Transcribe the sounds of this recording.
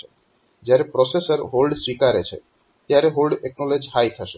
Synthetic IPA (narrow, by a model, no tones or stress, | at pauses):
e | d͡ʑaɾepɾɔsesaɾɦolɖswikaɾet͡ɕʰḛ | t̪eaɾeɦolɖeknɔled͡ʑhajt̪ʰaʃe